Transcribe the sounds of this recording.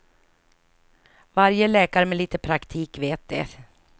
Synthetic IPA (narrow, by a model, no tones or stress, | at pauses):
vaɾjəlɛːkaɾəmɛliːt̪əpʰɾakt̪ʰiːkveːt̪̚d̪ɛ̰